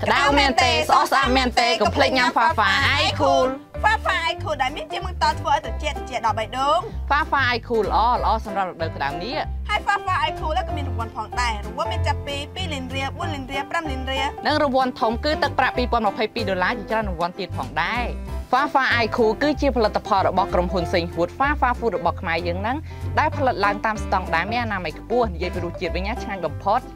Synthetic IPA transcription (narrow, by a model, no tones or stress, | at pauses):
kə̆ɗawmɛənt̪eːsʔɑhsʔap̚mɛənt̪eːkɑmpʰlec̚ɲamfaːfaːʔajkʰuːl | faːfaːʔajkʰuːlɗaɛniht͡ɕiəmɨŋt̪oːlt̪ʰʋəːʔaːjt̪rɑt͡ɕɛ̆əʔt͡ɕt͡ɕɛ̆əʔɗɑlɓəjɗoːŋfaːfaːʔajkʰuːlə̆ʔɑːlə̆ʔɑːsɑmrap̚ruk̚ɗəwkə̆ɗaəmniəʔhaəjfaːfaːʔajkʰuːlʔakɔːmiənrɔʋuənpʰɑːŋɗaɛruəmiənt͡ɕapːiːpiːlinriəɓuənliːnriəpramliənriənɨŋrɔʋʊ̆ənt̪ʰumkɨːt̪ɨk̚praʔpiːpoənməpʰəjpiːɗolaːt͡ɕiət͡ɕraənrɔʋŏənt̪iət̪̚pʰɑːŋɗaɛfaːfaːʔajkʰuːkɨːt͡ɕiəpʰɑlɨt̪ːapʰɑlrɔɓɑhkromɦuənseːŋhɦuət̪̚faːfaːfuːtrɔɓɑhkʰmaɛjəːŋnɨŋ | ɗaɛlpʰɑlɨt̪̚laəŋt̪aːmst̪ɑŋɗaɛmeːʔanaːməjkʰpʊ̆əhnijiəjpiːɾuːət͡ɕiət̪̚ʋəɲnaːt͡ɕʰŋaːɲ̚ɓɑmpʰot̪̚